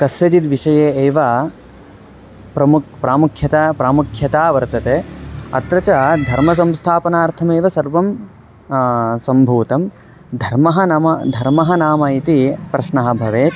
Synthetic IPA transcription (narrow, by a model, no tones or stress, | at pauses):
kɐsjɐd͡ʒit̪ʋiʂɐjeːeːʋɐ | pɾɐmukpɾaːmukʰjɐt̪apɾaːmukʰjɐt̪aːʋɐɾt̪ɐt̪eːɐ̰t̪ɾɐt͡ʃɐd̪ʱɐɾmɐs̬ɐmst̪ʰaːpɐnaːɾt̪ʰɐmeːʋɐsɐɾʋɐm | sɐmbʱuːt̪ɐm | d̪ʱɐɾmɐɦɐnɐmɐd̪ʱɐɾmɐɦɐnaːmɐit̪ipɾɐʃnɐɦɐ̆bʱɐʋeː